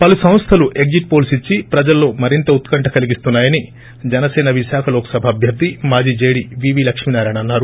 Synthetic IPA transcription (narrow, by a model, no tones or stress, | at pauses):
pɐlusɐ̃mst̪ʰɐluʔe̞ɡ̚d͡ʒiʈ̚po̞ːlsit͡ʃːipɾɐd͡ʒɐlːo̞ːmɐɾint̪ɐut̪kɐɳʈʰɐkɐliɡist̪unːaːjɐni | d͡ʒɛnɐsɛːnɐʋiʃaːkʰɐloːkɐ̥sɐbʱɐːbʱjɐɾd̪ʱimaːd͡ʒiːd͡ʒe̞ːɽiʋiːʋiːlɐkʂminaːɾaːɳɐnːaːɾu